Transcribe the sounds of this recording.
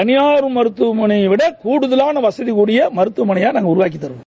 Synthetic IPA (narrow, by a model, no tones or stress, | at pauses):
ɐnɪjaːɾɯmɐɾɯt̪ːɯmɐɳiʋɪɽɐkuːɽɯðɐlaːnɐʋɐsɐðikuːɽɪjɐmɐɾɯt̪ːɯmɐɳɪjaːnaːŋɡɐʊɾʊʋaːk̬it̪ːɐɾɯʋḛ̃